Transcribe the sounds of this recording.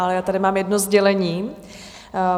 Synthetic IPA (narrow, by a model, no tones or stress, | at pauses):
ʔalɛjaːt̪adɪmaːmjɛdnozɟɛlɛɲiː